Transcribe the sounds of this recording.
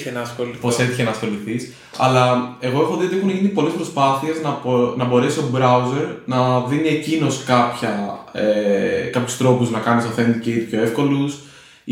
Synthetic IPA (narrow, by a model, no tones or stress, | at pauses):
enɐsoposeθiçenɐːsxo̞liθis | ɐ̰lɐe̞ɣo̞exoðioixuneʝinipo̞lespɾo̞spɐθie̞znɐnɐbo̞ɾe̞sio̞bɾɐuze̞ɾnɐðinie̞cino̞skɐpçɐekɐpçu̥st̪ɾo̞puznɐkɐniznɐfe̞nd̪iceit̪ipço̞e̞fko̞lus